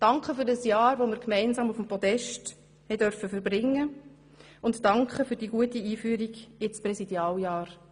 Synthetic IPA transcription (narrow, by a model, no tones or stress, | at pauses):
d̥ɑŋkχəfʏɾdɑsjɑːɾʋomɪɾkmɛɪnsɑːmufmpɔdɛʃt | hɛɪd̥œɾfəfəɾbɾɪŋːə | ʊnttɑŋkχəfʏɾdiːɡuətiiːfyːəɾiɡɪsprɛsid̥jɑːljɑːɾ